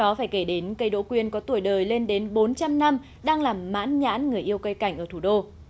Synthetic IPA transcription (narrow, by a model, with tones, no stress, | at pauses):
ɗɔ˨˦faː˧˩jke˧˩ɗe˨˦nkə˧jɗo̰˧˥kwi˧ənkɔ˨˦t̪u˧˩əjɗəː˨˩jle˧nɗe˨˦nɓo˨˦nt͡ɕa˧mna˧m | ɗaː˧ŋlaː˨˩mːa̰ː˧˥nɲa̰ː˧˥nŋɨ˨˩əjʔi˧əwkə˨˦jka˧˩jŋ̟ʔəː˧˩t̪u˧˩ɗo˧